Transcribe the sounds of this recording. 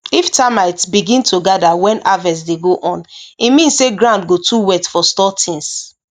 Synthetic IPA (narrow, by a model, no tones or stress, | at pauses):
iftamaɪtbiɡĩntʰoɡadawɛ̃navɛs̬deɡoʔɔ̃nimĩnseɡɹãʊ̃ndɡotʰuwɛtfɔstɔtʰĩŋs